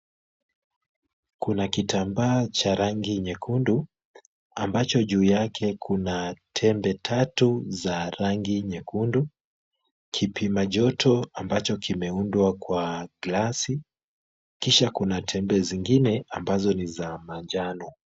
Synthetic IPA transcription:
kunakitambaːt͡ʃaɾaŋɡiɲɛkʰundu | ambat͡ʃɔʄuːjakʰɛkʰunatʰɛmbɛtʰatuzaɾaŋɡiɲɛkundu | kʰipʰimaʄɔtʰɔambat͡ʃɔkimɛundwakwaɡlasi | kiʃakunatʰɛmbɛziŋɡinɛambazɔnizamand͡ʒanɔ

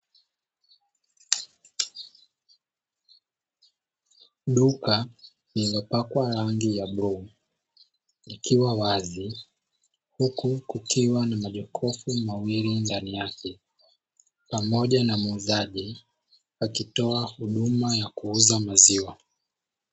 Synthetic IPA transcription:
ɗuka | nilɔpakwaɾaŋɡijaɓɾu | nikiwawazi | hukukukʰiwanamaʄɔkʰɔfumawilindanijakɛ | pamɔʄanamuzaʄi | akitɔahuɗumajakuuzamaziwa

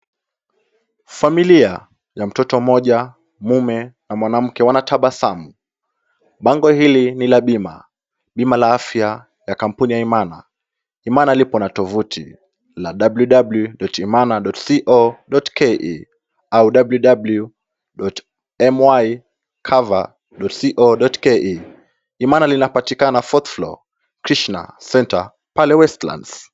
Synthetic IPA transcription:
familia | jam̩tɔtɔm̩mɔʄa | mumɛnamwanam̩kɛwanatʰaɓasamu | ɓaŋɡɔhilinilaɓima | ɓimalaafja | jakam̩punijaimana | imanalipɔnatɔvutʰḭ | laɗabluɗabljuɗɔtimanaɗɔtsiʔɔɗɔtkʰɛʔi | auɗabljuɗablju | ɗɔt | ɛmwaj | kʰava̰ | ɗɔtsiʔɔɗɔtkɛʔi | imanalinapatikanafɔt̪flɔ̰ | kɾiʃna̰sɛnta̰ | palɛwɛstlã̰nds

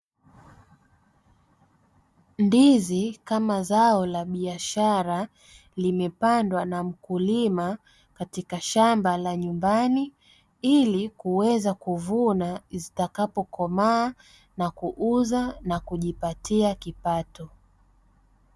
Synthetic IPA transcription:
ndizikamazaɔlaɓiaʃaɾa | limɛpandwanam̩kulima | katikaʃambalaɲumbani | ilikuwɛzakuvunazitakapɔkʰɔmaː | nakuʔuzanakuʄipatiakipatɔ

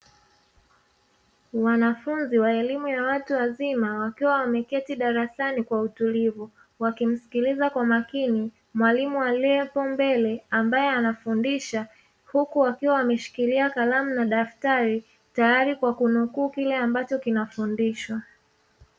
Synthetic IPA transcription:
wanafunziwaɛlimujawatuwazimawakiwawamɛkɛtiɗaɾasanikwautulivu | wakim̩si̥kilizakwamakini | mwalimuwalɛpɔmbɛlɛambajɛanafundiʃa | hukuwakiwawamɛʃi̥kiliakalamunaɗaftaɾi | tajaɾikwakunukuːkilɛambat͡ʃɔkinafundiʃwa

